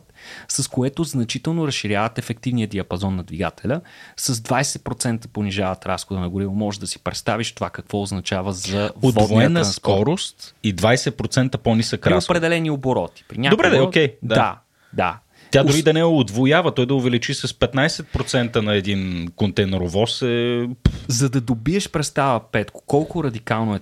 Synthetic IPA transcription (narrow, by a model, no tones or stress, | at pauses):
sɐskoɛt̪oznɐt͡ʃit̪ɛlˠnoɾɐsʃiɾʲjavət̪ɛfɛk̚t̪ivniəd̪iɐpɐzɔnːɐd̪viɡa̰t̪ɛlʲəsəzd̪vajsɛt̪̚pɾot̪sɛnt̪ə̥poniʒavət̪ɾasxod̪ənɐɡʊɾivˠʊmɔʒɛd̪ɐsi̥pɾɛt̪st̪aviʃt̪ovakɐkvɔoznɐt͡ʃavəzɐvovvoɛnːəsɔɾost̪id̪vajsɛt̪̚pɾot̪sɛnt̪əponisəkɾiaospɾɛd̪ɛlɛnioboɾɔt̪i̥pɾinʲad̪obɾɛokʲɛjd̪a̰ | d̪a̰ | t̪ʲad̪ʊɾid̪ɐnɛʊd̪vojavət̪ɔjd̪ɐʊvɛlit͡ʃisɐspɛt̪najsɛt̪̚pɾot̪sɛnt̪ənɐɛd̪inkont̪ɛnɛɾovɔsɛ | zɐd̪ɐd̪obiɛʃpɾɛt̪st̪avəpɛt̪kʊ̥kɔlˠkʊɾɐd̪ikalˠnoɛ